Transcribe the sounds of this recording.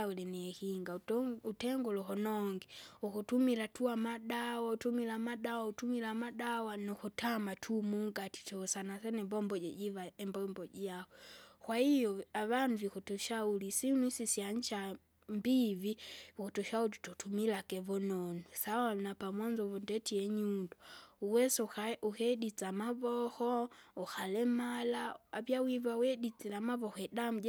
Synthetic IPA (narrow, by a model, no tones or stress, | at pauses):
aulɛniɛhiŋɡautɛŋɡɔlɔhɔnɔŋɡɛukutumilatuamaɗawautumilamaɗawautumilamaɗawanukutʰamatʰumuŋɡati̥tɔsanasɛnɛmbɔmbɔɟɛɟivaɛmbɔmbɔɟaɔkwahijɔaβanuvikutɔʃaulisinwisisjaɲt͡ʃa | mbiβiikɔtɔʃaulitɔtumilakɛβɔnɔnusawanapamwand͡ʒɔvɔndɛtiɛɲuundɔuwɛsauhɛdit͡samavɔhɔuxalɛmalaavjawivawɛdit͡sɛlamaβɔhɔɛdamud͡ʒa